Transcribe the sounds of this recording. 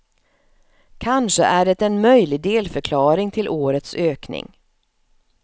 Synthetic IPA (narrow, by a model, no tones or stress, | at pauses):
kʰanʂə̰ʔæɖɛt̪ɛnmœjlɪɡ̚d̪eːlfœɾkʰlɑːɾɪŋt̪ʰɪlʔoːɾət̪søːknɪ̰ŋ